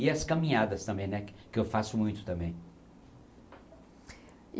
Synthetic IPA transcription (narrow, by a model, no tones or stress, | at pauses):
iɐskɐmĩɲad̪ɐst̪ɐ̃mbẽj̃nɛkɪewfasʊmũj̃t̪ʊ̥t̪ɐ̃mbẽj̃